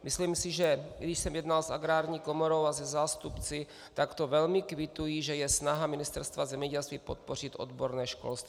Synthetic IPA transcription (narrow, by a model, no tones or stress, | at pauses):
mʔɪsliːmsɪʒɛɡdɪʃsɛmjɛd̪nalsa̰ɡɾaːɾɲiːko̞moɾo̞wazɛzaːst̪upt͡sɪ | t̪akt̪ovɛlmɪkvɪt̪ujiʒɛjɛsnaɦamɪnɪst̪ɛɾst̪vazɛmɲɛɟɛlst̪viːpot̪̚po̞r̝ɪt̪ʔo̰d̪boɾnɛːʃko̞̰lst̪viː